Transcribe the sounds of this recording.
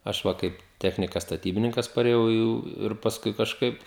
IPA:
ˈɐʃ ʋɐ ˈkɐɪp ˈtʲæːxʲnʲɪkɐs stɐˈtʲiːbʲɪnʲɪŋkɐs pɐrʲeːˈjɛʊ jɛʊ ɪr pɐsˈkʊɪ kɐʃˈkɐɪp

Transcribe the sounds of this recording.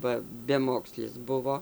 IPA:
bɐ bʲɛˈmoːksʲlʲɪs ˈbʊʋoː

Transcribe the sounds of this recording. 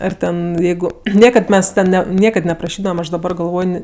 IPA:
ˈɐr ˈtʲɛn ˈjɛɪɡʊ ˈnʲiɛkɐt ˈmʲɛs ˈtʲɛn ˈnʲɛ ˈnʲiɛkɐt nʲɛprɐˈʃʲiːdɐʋɐm ˈɐʃ dɐˈbɐr ɡɐlˠˈʋoːj ˈnʲɪ

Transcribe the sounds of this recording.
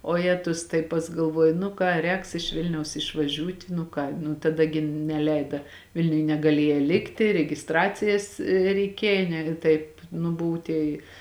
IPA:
oːˈjæːtʊs tɐɪ ˈpɐs ɡɐlˠˈʋuɔjɪ nʊ ˈkɑː ˈrʲɛːks ɪʃ ˈʋʲɪlʲnʲɛʊs ɪʃʋɐˈʒʲuːtʲɪ nʊ ˈkɑː nʊ tɐˈdɐ ɡʲɪ nʲɛˈlʲɛɪdɐ ˈʋʲɪlʲnʲʊj nʲɛɡɐˈlʲiɛjɛ ˈlʲɪktʲɪ rʲɛˈɡʲɪstrɐt͡sʲɪjɛs rʲɛɪˈkʲeːjɛ nʲɛ ˈtɐɪp nʊ ˈbʊʋʊ tʲɛɪ

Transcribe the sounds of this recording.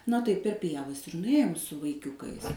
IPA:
nɐ tɐɪ pʲɛr ˈpʲiɛʋɐs ɪr nʊˈeːjoːm sʊ ʋɐɪˈkʲʊkɐɪs

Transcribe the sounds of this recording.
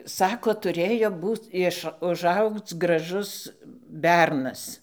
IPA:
ˈsɑːkoː tʊˈrʲeːjoː ˈbuːt͡s ˈɪʃ ʊʒˈɐʊkt͡s ɡrɐˈʒʊs ˈbʲɛrnɐs

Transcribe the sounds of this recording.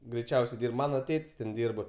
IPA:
ɡrʲɛɪˈt͡ʃʲɛʊsʲɛɪ ˈdʲiːrp ˈmɑːnoː ˈtʲeːtʲsʲ tʲɛn ˈdʲiːrp

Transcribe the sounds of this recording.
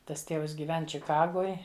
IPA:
ˈtɐs ˈtʲeːws ɡʲiːˈʋʲɛn t͡ʃʲɪˈkɑːɡoːj

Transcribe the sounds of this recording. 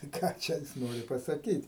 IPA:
tɐɪ ˈkɑː t͡ʃʲɛ ˈjɪs ˈnoːrʲɪ pɐsɐˈkʲiːtʲ

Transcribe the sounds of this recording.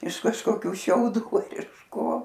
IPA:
ɪʃ kɐʃkoːˈkʲuː ʃʲɛʊˈduː ɐr ɪʃ ˈkoː

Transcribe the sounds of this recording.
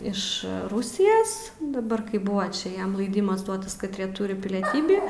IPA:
ɪʃ ˈrʊsʲɪjɛs dɐˈbɐr kɐɪ ˈbʊʋɐ t͡ʃʲɛ ˈjiɛm ˈlˠɐɪdʲɪmɐs ˈduɔtɐs kɐtʲˈrʲiɛ ˈtʊrʲɪ pʲɪlʲiɛˈtʲiːbʲiː

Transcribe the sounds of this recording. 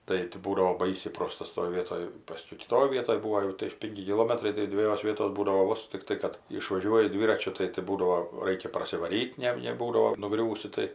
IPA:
ˈtɐɪ tʲɪ ˈbuːdɐʋoː ˈbɐɪsʲɛɪ ˈproːstɐs toːj ˈʋʲiɛtoːj ˈpɑːsʲkʲɛʊ kʲɪˈtoːj ˈʋʲiɛtoːj ˈbuːoː jɛʊ tɐɪ ˈpʲɪŋʲkʲɪ kʲɪˈlˠoːmɐtrɐɪ tɐɪ dʲʋʲɛˈjoːs ˈʋʲiɛtoːs ˈbuːdɐʋoː ˈʋoːs tʲɪkˈtɐɪ kɐt ɪʃʋɐˈʒʲuɔjɪ ˈdʲʋʲiːrɐt͡ʃʲʊ ˈtɐɪ tɐɪ ˈbuːdɐʋoː ˈrɐɪkʲɛ pɐrʲsʲɪʋɐˈrʲiːtʲ ˈnʲɛ nʲɛ ˈbuːdɐʋoː nʊˈɡrʲuːsʲɪ tɐɪ

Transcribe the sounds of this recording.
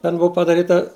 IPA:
tʲɛn ˈbuɔ pɐdɐˈrʲiːtɐ

